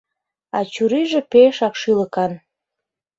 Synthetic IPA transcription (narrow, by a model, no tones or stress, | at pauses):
ɑt͡ɕuɾiʒĕpeʃɑkʃiləkɑn